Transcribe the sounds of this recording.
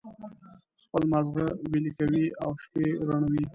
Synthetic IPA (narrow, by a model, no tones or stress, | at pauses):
xpəlmazɣawilikawiawʃpeɾaɳawi